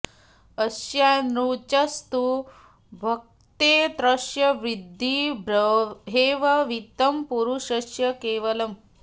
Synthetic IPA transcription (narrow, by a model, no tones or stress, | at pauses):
ɐsjanɾut͡ʃɐst̪u | bʱɐk̚t̪eːt̪ɾɐʃjɐʋɾid̪ʱːibɾɦeːʋɐʋit̪ɐmpuɾuʃɐʃjɐkeːʋɐlɐm